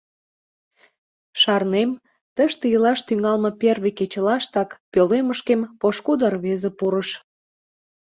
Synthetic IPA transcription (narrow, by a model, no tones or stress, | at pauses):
ʃɑrnem | t̪əʃt̪ejəlɑʃt̪yŋɑlmɤ̆perβeket͡ɕəlɑʃt̪ɑkpøleməʃkempoʃkud̪ərβezepuɾəʃ